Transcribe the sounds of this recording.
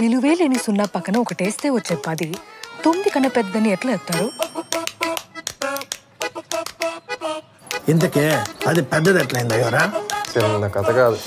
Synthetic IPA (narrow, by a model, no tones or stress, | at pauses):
niluʋeːlenisunːɐpɐkːɐnɐɔkɐʈeːst̪e̞ːʋɐt͡ʃːepːɐd̪it̪ombikɐnːɐpɛd̪ːɐnieʈlɐɛːst̪aːɾu | int̪̬ɐkeːɐd̪ipɛd̪ːɐd̪ɛʈlɐjind̪ɐjoːɾaːt͡ʃinːɐkɐt̪ɐkaːd̪u